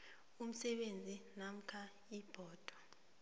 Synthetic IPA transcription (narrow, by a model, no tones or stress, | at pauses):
um̩sɛɓend͡zʱinam̩kʰa | ib̥ʱɔːd̥ʱwɔ